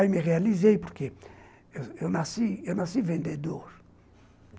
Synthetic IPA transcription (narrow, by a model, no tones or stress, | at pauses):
ajmeʁealizejpuɾke | eewnasiewnasivẽnd̪ed̪oɾ